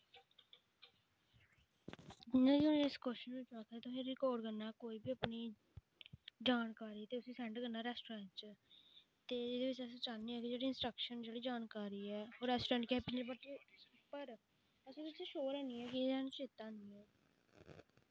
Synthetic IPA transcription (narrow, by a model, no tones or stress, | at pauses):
d͡ʒɪnãːd͡ʒiːʊnːɪskɔʃənɪt͡ʃaːkʰɛːt̪ːsĩɾɪkɔːɖkəɾnaːkoːiːbiːəpniː | d͡ʒaːnkaːɾiːt̪eːʊsĩːsɛ̃ːɳɖkəɾnaːɾɛːsʈoɾɛ̃ːɳʈt͡ʃ | t̪eːɪd̪eːʋɪt͡ʃɛst͡ʃaːnːiːɛːkɪd͡ʒeːɽiːɪnsʈɾəkʃənd͡ʒeːɽiːd͡ʒaːnkaːɾiːɛːɦoːɾɛːsʈoɾɛ̃ːɳʈkɛːpɪnbəʈːipəɾ | əsẽt͡ʃːʃoːɾɛ̃ːniːɛːkɪɛːnt͡ʃeːt̪ːaːniːɛː